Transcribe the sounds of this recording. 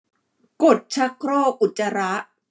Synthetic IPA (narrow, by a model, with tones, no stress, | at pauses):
ko˨˩t̪̚t͡ɕʰa˦˥kʰɾoː˥˩k̚ʔu˨˩t̪̚t͡ɕːa˧ɾa˦˥ʔ